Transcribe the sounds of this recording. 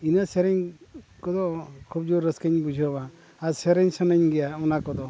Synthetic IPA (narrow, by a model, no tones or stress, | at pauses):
inəseɾɛɲkɔd̪ɔkʰub̚d͡ʒuɾːəskəɲbud͡ʒʱəba | aseɾɛɲsənəɲɡɛjaɔnakɔd̪ɔ